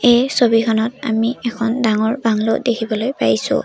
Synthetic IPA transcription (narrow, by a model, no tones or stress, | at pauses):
ejsobikʰɔnɔt̚a̰miɛkʰɔndaŋɔɹbaŋlo̰dekʰibɔlojpaisʊ̰̃